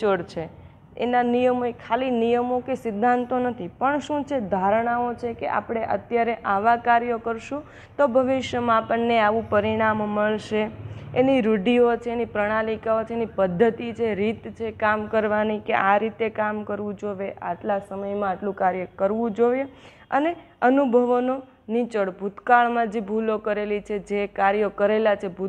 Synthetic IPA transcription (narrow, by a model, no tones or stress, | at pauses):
t͡ʃəɽt͡ʃʰe | ḛnanijəmoekʰalinijəmokesɪd̪ʱːãnt̪onət̪ʰipəɳʃũt͡ʃʰed̪ʱaɾɳ̃aot͡ʃʰekḛʔa̰pɽ̃eʔə̰t̪jaɾeʔaʋakaɾjəkəɾʃũ | t̪obʱəʋɪʃjəmãːpəɳnːeaʋũpəɾiɽ̃amːəɭʃeeniɾuɖiot͡ʃʰeenipɾəɽ̃alikaot͡ʃʰeenipəd̪ʱːət̪it͡ʃʰeɾit̪t͡ʃʰekamkəɾʋanikḛʔaɾit̪ekamkəɾʋũd͡ʒoʋeʔa̰ʈlasəməjmãaʈlũkaɾjəkəɾʋũd͡ʒoje | ə̰ne | ənubʱəʋno | nit͡ʃəɽbʱut̪kaɭmãd͡ʒebʱulokəɾelit͡ʃʰed͡ʒekaɾjokəɾelat͡ʃʰebʱu